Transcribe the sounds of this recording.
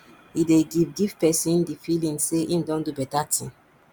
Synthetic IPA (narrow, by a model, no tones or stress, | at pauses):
ideɡivɡivpɛsĩndifilĩnseʔĩmdõndubɛtatʰḭ̃n